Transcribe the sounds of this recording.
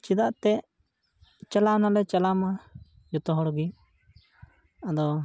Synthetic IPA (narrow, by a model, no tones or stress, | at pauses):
t͡ʃid̪aʔt̪ɛ | t͡ʃɛlanalɛt͡ʃalama | d͡ʒɔt̪ɔɦɔɽɡi | ad̪ɔ